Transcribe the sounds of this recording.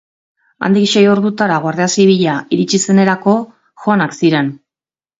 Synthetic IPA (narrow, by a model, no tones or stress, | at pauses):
a̰nd̪ikʃe̞jo̞ɾðut̪aɾaɣoaɾðe̞asiβiʎaiɾit͡ʃise̞ne̞ɾako̞ | xoanaksiɾe̞n